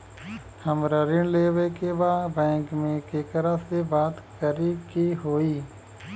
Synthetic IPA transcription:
həmɾəɾɪɳleːʋekebaːbɛ̃ːŋkmẽkeːkəɾəsebaːt̪kəɾikiːɦoːiː

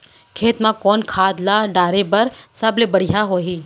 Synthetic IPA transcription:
kʰeːt̪mãkɔːnkʰaːd̪laɖaːɾebɐɾsɐblebɐɽ̤ijaɦoːɦiː

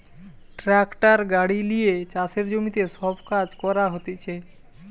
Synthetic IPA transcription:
ʈɾɛkʈaɾɡaɽilijet͡ɕaseɾd͡ʒomit̪esɔbkad͡ʑkɔɾaɦot̪it͡ʃʰe

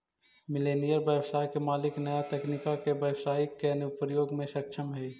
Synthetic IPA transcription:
mɪleːnijəɾbjəwsaːjkemaːlɪknəjat̪ɛːknɪkakebjəwsaːɪkːenʊpəɾjoːɡmẽʃəkʃʰəmɦɛː

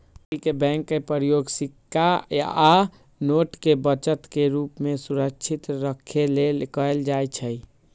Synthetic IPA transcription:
ikebɛ̃ŋkːepəɾjoɡsikʰːaja̰a | noʈkebət͡ʃət̪keɾupmesuɾəkt͡ʃʰit̪ɾəkʰːelelkəld͡ʒajt͡ʃʰəj

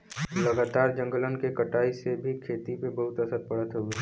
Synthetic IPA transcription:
lɐɡaːt̪aːɾd͡ʒə̃ŋɡələnkekəʈaːisebʱikʰeːt̪ipebɐɦʊt̪əsət̪̚pɐɽət̪ɦoːɡeː

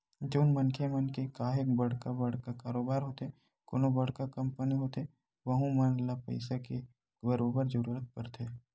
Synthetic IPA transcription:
d͡ʒoːnmɐnkʰemɐnkekaːɦek̚bɐɽ̤kabɐɽ̤kakaːɾoːbaːɾɦoːt̪e | ko̰ːnobɐɽ̤kakɐ̃mpəniɦoːt̪e | ʋəɦũmɐnlapɛ̰ɪsake | bəɾoːbəɾzəɾuːɾət̪̚pɐɾt̪ʰeː

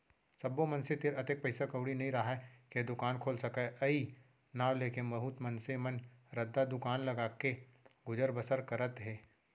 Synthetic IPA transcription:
sɐbomɐ̃nset̪ɪɾɐt̪ek̚pɐɪsakɐʊɽinɐɦĩɾɐɦaɛked̪ʊkaːnkʰoːlsɐkaʔɐi | naːwleːkemɐɦuːt̪mɐnsemɐnɾɐd̪ːad̪ʊkaːnlɐɡaːke | ɡʊd͡ʒəɾbəsəɾkɐɾət̪ɦɛː

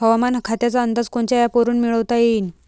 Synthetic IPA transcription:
ɦəʋamankʰat̪jat͡saənd̪ad͡zkoɳt͡ɕajapoɾuːnmiɭəʋt̪ajen

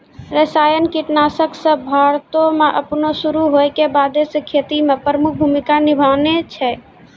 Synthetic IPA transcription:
ɾəsajənkiʈnasəksəbʱaɾt̪omeʔəpnosuɾuɦojkebad̪esəkʰet̪imepɾəmuk̚ʰbʱumikanibʱanet͡ʃʰɛ

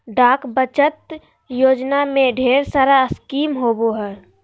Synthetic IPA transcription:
ɖaːkbət͡ʃət̪ | joːd͡ʒnamẽɖʱeːɾsaːɾaəskiːmɦoːboɦɛː

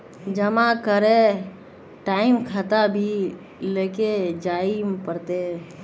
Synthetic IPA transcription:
d͡ʒəmãkəɾe | ʈaːimkʰat̪abʱi | leːked͡ʒaimpəɾt̪e

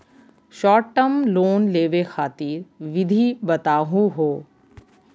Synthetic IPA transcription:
ʃɔːʈːəmloːnleːʋexaːt̪iːɾʋɪd̪ʱibɐt̪aːɦũɦoː

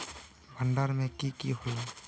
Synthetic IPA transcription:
bʱəɳɖəɾmẽkikiɦola

